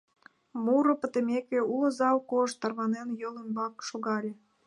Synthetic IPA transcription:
muɾŏpə̆t̪ĕmʲekeulŏzɑwkoʃt̪ːɑrβɑnenjoləmbɑkʃoɣɑlʲĕ

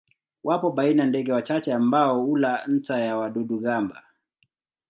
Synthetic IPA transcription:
wapɔɓainandɛɡɛwat͡ʃat͡ʃɛambaɔulan̩tajawaɗuɗuɠamba̰

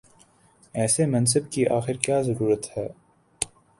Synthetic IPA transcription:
ɛːsemɐ̃ns̬əbkiʔaːxɪɾkjaːzɐɾuːɾət̪hɛː

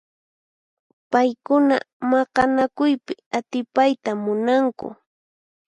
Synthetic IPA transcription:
pajkʊna̰ | mɑqɑnakʊjpɪat̪ɪpajt̪amʊnaŋkʊ̰

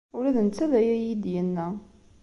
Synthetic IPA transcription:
ʊɾæðənt͡sːæðæjæjid̪jənːæ

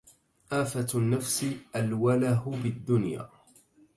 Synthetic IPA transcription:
ʔaːfanːafsɪʔalwalaɦʊbɪd̪ːʊnja̰ː

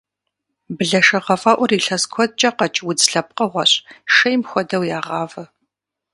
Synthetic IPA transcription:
bɨɮɐʃɐʁɐfʼaːʔʷɔriːɬɐskʷʰɔd̚t͡ʃʼɐqɐt͡ʃʼwʊd͡zɬɐp̚qɐʁʷɐɕʼʃɐjmxʷɔdɐwjaːʁɑːvɐ

